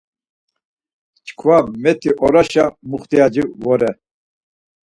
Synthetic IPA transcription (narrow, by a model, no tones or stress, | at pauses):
t͡ʃkʰvamɛt̪ʰiʔɔɾaʃamuχt̪iad͡ʒivɔɾɛ